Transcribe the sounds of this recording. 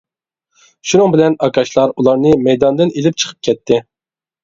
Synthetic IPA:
ʃunɨŋbɪlɛnɑkʰɑʃlˠɑɾulˠɑɾnɨmɛjd̪ɑnd̪ɨnelɪp̚t͡ʃʰə̥qʰə̥p̚kʲʰɛt̪ʰːɪ

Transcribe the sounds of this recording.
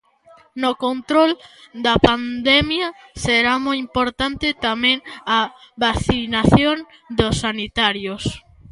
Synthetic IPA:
nokont̪ɾold̪ɐpand̪ɛmjaseɾamojimpoɾt̪ant̪ɪt̪amẽŋaβaθinaθjon | d̪osːanit̪aɾjos

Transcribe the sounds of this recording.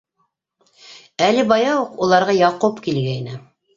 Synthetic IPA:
ælɘbɑjɑwuqulˠɑɾʁɑjɑqopkilɡæjnɘ

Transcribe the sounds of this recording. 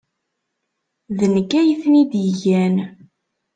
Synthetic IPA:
ðənəkːæjəθnid̪jəʝæn

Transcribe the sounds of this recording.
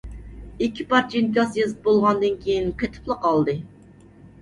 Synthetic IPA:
ikʲʰːipɑɾd͡ʒinkʲɑsjezɨbolˠʁɑnd̪ɨnkʲʰejinqʰet̪ʰɨ̥plˠəqɑlˠd̪ɨ

